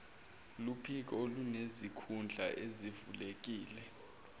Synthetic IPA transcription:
lupʰik̬olunezikʰund͡ɮʱaʔezivulek̬iːlɛ

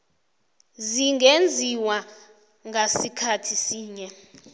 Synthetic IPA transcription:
ziŋɡʱend͡zʱiwa | ŋɡʱasikʰatʰisiːɲɛ

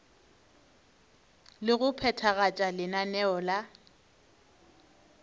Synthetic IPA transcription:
lɪɣʊpʰɛtʰaɣat͡ʃʼalɪnanɛɔla

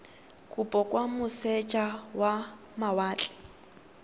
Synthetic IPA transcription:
kʼupʼɔkʼwamʊsɛt͡ʃʼawa | mawaːt͡ɬʼɛ̥

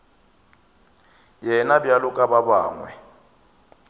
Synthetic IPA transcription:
jɛnabjalʊkʼababaːŋwɛ̰

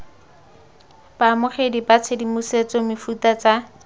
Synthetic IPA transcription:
b̥aːmʊχedipat͡sʰedimuset͡sɔmɪfutat͡sa

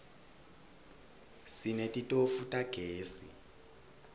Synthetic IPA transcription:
sinɛtʼitʼofutʼaɡ̥ʱeːsḭ

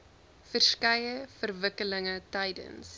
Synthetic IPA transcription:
fərskɐjəfərvəkələŋətɐjdə̰ns

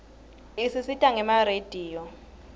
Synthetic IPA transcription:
isisitʼaŋɛmared̥ʱiːjɔ

